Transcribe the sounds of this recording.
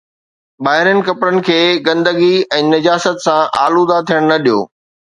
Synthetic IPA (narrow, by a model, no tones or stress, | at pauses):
ɓaːɦɪɾənɪ̆kɐpɾənɪ̆kʰeːɡɐ̃nd̪əɡiɛ̃ːnɐd͡ʑaːsət̪sãʔa̰ːlud̪at̪ʰijəɽ̃nɐɗijo̰ː